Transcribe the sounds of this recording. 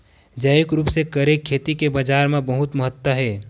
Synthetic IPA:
d͡ʒəjʊkɾuːpsekəɾekʰːeːt̪ikebad͡ʒaːɾmẽbəɦʊt̪məɦət̪wəɦɛː

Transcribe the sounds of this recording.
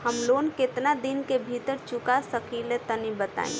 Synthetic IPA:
həmlonket̪nad̪inkebʱit̪əɾt͡ʃukasəkilet̪ənibət̪a̰ːḭ̃

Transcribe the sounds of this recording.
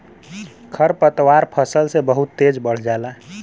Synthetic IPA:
kʰəɾpət̪waɾpʰəsəlsebəɦut̪ːed͡ʒbəɽ̤d͡ʒaːla

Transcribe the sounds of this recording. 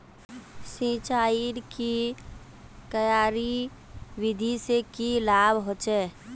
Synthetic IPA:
sĩːt͡ʃaːiɾki | k̪əjaːɾi | wɪd̪ʱisekilaːbɦot͡ʃɛː

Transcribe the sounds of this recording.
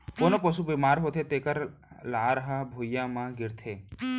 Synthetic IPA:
konopəsubimaːɾɦot̪ʰet̪ekəɾlaːɾɦabʱujamãɡɪɾt̪ʰeː

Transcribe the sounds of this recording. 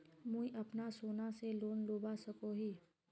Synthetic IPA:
mũiʔɐpnasoːnaseloːnloːbasɐkoɦiː

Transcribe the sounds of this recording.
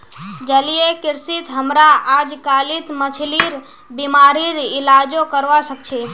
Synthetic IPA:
d͡ʒəlijekɪɾsit̪ɦəmɾaad͡ʒkalit̪mət͡ʃʰliɾ | bimaɾiɾɪlad͡ʒokəɾʋasək̚t͡ʃʰe

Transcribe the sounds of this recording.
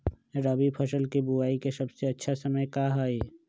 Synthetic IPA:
ɾəbipʰɐʃəlkibuaːikesɐbseɐtːʃʰasəməjkaɦaːeː

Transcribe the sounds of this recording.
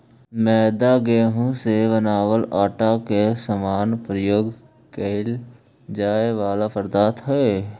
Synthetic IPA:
mɛːd̪aɡeːɦõseʋənaːwəlaːʈakesəmaːnpɾəjoːɡ | kel | d͡ʒaːeʋaːlapəɾd̪aːt̪ɦɛe

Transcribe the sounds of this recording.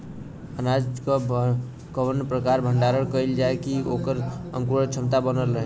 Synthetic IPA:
ənad͡ʒkə | kəʋənpɾəkaɾbʱəɳɖaɾəɽkəjld͡ʒaekiokəɾə̰ŋkuɾət͡ʃʰəmt̪abənələɦ

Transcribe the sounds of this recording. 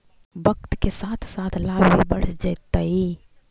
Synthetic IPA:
bəkt̪kesaːt̪ʰsaːt̪ʰlabbibəɽ̤d͡ʒajt̪ːai

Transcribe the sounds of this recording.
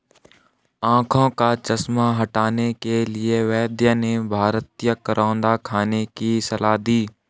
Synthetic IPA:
ãːkʰõkat͡ʃəsmaɦɐʈaːnekelɪeʋɛːd̪jənebʱaːɾt̪ijəkəɾʔãːnd̪akʰaːnekisəlaːd̪iː

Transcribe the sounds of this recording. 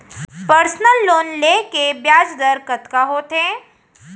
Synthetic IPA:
pəɾsnəlːoːnlekebjaːd͡zd̪əɾkət̪kaɦoːt̪ɦẽ

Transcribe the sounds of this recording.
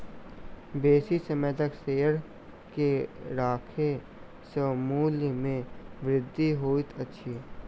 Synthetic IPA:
beːsisəmeːt̪əkseːəɽ | keɾaːkʰe | səmuːlmẽʋɾɪd̪ʱːiɦoːit̪ʰətːʃʰiː

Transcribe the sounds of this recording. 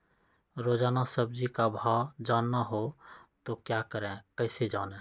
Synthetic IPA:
ɾod͡ʒaːnasəb̚d͡ʒikabʱad͡ʒanːaɦot̪okjakəɾẽkəɪsed͡ʒanẽ

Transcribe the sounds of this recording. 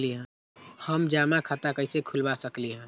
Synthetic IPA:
liɦɛ̃ː | həmd͡ʒaːmakʰat̪akəɪsekʰʊlbasəkliɦɛ̃ː

